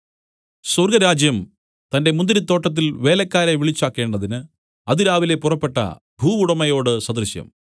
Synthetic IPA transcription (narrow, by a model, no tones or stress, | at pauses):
surɡɐɾaːd͡ʑjɐm | t̪ɐnde̞mund̪iɾit̪ːo̞ːʈːɐt̪̬ːilʋe̞ːlɐkːaːɾeʋiɭit͡ɕːaːkːe̞ːɳɖɐðinɨ | ɐðiɾaːʋilepːurɐpːe̞ʈːɐ̰ | bʱuːuɽɐmɐjo̞ːɽɨsɐd̪rɨɕjɐ̰m